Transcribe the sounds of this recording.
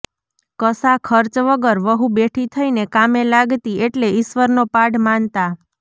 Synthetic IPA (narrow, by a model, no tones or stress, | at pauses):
kəsakʰəɾt͡ʃʋəɡəɾʋəɦũbeʈʰit̪ʰəinekamelaɡt̪ieʈleɪʃʋəɾnopaɖmant̪a